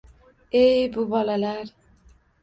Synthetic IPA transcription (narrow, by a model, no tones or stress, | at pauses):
ejbubɔlalaɾ